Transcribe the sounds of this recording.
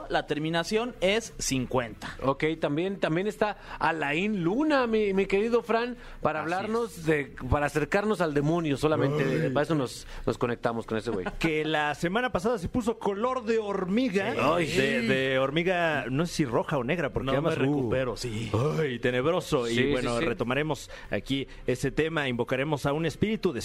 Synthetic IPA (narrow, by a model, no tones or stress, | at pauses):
lat̪e̞ɾmĩnasjo̞ne̞sːiŋkwe̞nt̪ḁoke̞jt̪ambje̞nt̪ambje̞ne̞st̪aalainlunamimike̞ɾiðo̞fɾan | paɾaːβlaɾno̞zðe̞paɾaːse̞ɾkaɾno̞sald̪e̞mõ̞njo̞so̞lamẽnt̪eðepaes̬ono̞s | no̞sko̞ne̞k̚t̪amo̞sko̞ne̞sewḛjkelase̞mãnapas̬aðas̬e̞pus̬o̞ko̞lo̞ɾðe̞oɾmiɣaajd̪eðeo̞ɾmiɣano̞sesiro̞xaone̞ɣɾapoɾknamareupeɾosiajt̪e̞ne̞βɾo̞so̞iwenorre̞t̪o̞maɾe̞mo̞s | a̰ki | e̞se̞t̪e̞maimbo̞kaɾe̞mo̞saune̞spiɾit̪uðe